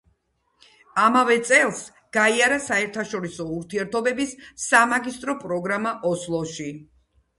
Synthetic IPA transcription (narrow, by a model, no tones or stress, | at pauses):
amavɛt̪sʼɛlˠs | ɡ̥aiaɾasaɛɾt̪ʰaʃɔɾisɔuɾt̪ʰiɛɾt̪ʰɔbɛbisːamaɡist̪ʼɾɔpʼɾɔɡɾamaʔɔslˠɔʃi